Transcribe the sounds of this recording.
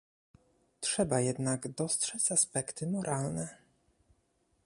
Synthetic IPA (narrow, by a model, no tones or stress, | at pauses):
tʂɛbajɛd̪naɡd̪ɔstʂɛt͡ɕaspɛkt̪ɘmɔɾʔalnɛ